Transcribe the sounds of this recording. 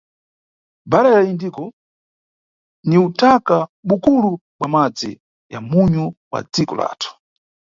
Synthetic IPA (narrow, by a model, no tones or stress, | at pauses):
baɾajaindikɔ | niutakaɓukuluɓwamad͡zḭ | ja̰muɲuwa̰d͡zikɔ̰la̰ːtʰu̥